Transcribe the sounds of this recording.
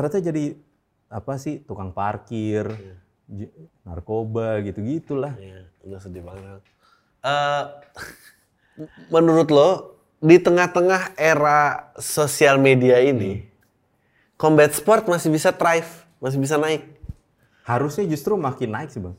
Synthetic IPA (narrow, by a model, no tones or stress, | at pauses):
əɾat̪ad͡ʒadi | apasɪht̪ukaŋparkɪr | d͡ʒna̰rkobaɡit̪uɡit̪ulahj | nasədibaŋa | ə | mənuɾʊt̪lɔ | dit̪əŋaht̪əŋaheɾasosialmediaini | kɔmbɛt̪̚spɔrt̪̚masɪhbisat̪ɾaif | mas̬ɪhbis̬anaɪk̚ | haɾʊsɲad͡ʒust̪ɾumakɪnːaɪksihbaŋ